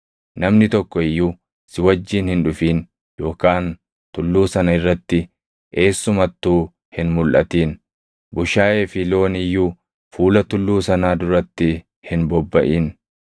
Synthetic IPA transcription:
nɐmnɪt̪ɔkːɔɪjːuː | sɪwɐd͡ʒːiːnhɪnᶑʊfiːn | jo̞ːkaːn | t̪ʊlːuːsɐnɐɪrːɐt̪ːɪ | ʔe̞ːsːʊmɐt̪ːuː | hɪnmʊlʔɐt̪iːn | bʊʃaːʔe̞ːfɪlo̞ːnɪjːuː | fuːlɐt̪ʊlːuːsɐnaːd̪ʊɾɐt̪ːɪ | hɪnbɔbːɐʔiːn

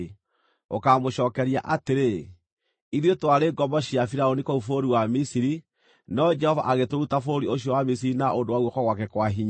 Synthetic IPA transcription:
o̰kamoɕɔːkɛɾia̰ʔateɾe | iðwetwaɾeɡɔmɔɕiafiɾaonikoufoɾiwamisiɾi | nɔd͡ʒɛhɔva̰ʔaɣetoɾutafoɾioɕiɔwamisiɾinaʔondowaɣwɔkɔɣwakɛkwaɦiɲ

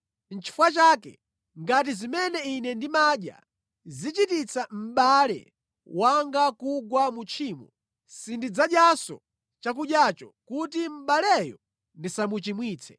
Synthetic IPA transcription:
n̩t͡ʃʰi̥fwat͡ʃaːkɛ̰ | ŋɡat̬izimɛnɛinɛndimaːɗja̰ | zit͡ʃitit͡sʰam̩ɓalɛ̰ | waŋɡakuɡwamut͡ʃʰiːmɔ̰ | sindid͡zaɗjasɔ̰ | t͡ʃak̬uɗjat͡ʃɔkutim̩ɓalɛjɔ | ndisamut͡ʃimwiːt͡sʰɛ

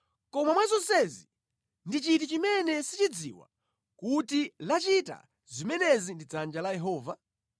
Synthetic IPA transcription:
kɔmamwazɔnsɛzi | ndit͡ʃit̬it͡ʃimɛnɛsit͡ʃid͡zḭwa̰ | kutilat͡ʃita̰ | zimɛnɛzindid͡zand͡ʒalajɛɦɔːva

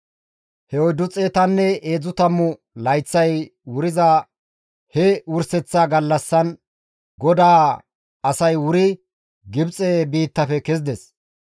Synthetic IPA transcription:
hɛɔjd̪ʊt͡sʼeːt̪ɐnːɛeːd͡zʊt̪ɐmːʊ | lɐjt͡sːɐjwʊɾɪza | hɛʊɾsɛt͡sːaːɡɐlːɐsːɐn | ɡɔd̪aː | ɐsɐjwʊɾɪ | ɡɪbt͡sʼebiːt̪ːɐfɛkɛzɪd̪ɛs

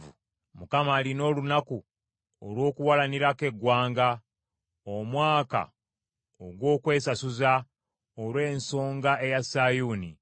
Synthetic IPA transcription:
u | mukamaːlino̞ːlunaku | o̰lwo̞ːkuwalaniɾake̞ɡwaːŋɡa | omwaːka̰ | oɡwo̞ːkwe̞ːsasuza | olwe̞ːnso̞ːŋɡae̞jasaːjuːni

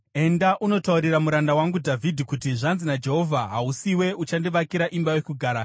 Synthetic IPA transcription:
e̞ndaʔuno̞tauɾiɾamuɾandawaŋɡudʱavʱidʱikutiʐanzinad͡ʒe̞ɦo̞vʱaɦausiwe̞ut͡ʃandiʋakiɾaʔimbajekuɡʱaːɾa

